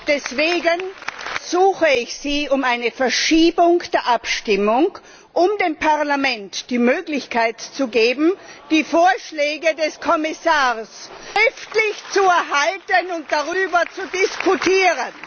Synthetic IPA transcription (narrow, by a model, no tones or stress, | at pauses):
d̥ɛsv̥eːɡənz̥uːxəɪçz̥iːʊmaɪnəfɛɐʃiːbʊŋd̥eːɐʔapʃtɪmʊŋ | ʔʊmdeːmpʰaɐʁlamɛntd̥iːmøːɡlɪçkʰaɪtt͡suɡeːbm̩d̥iːfoːɐʃlɛːɡədɛskʰɔmɪsaːʁsʁɪftlɪçt͡suɛɐɦaltənʊnt̚d̥aʁyːbɐt͡sudɪskʰutʰiːʁən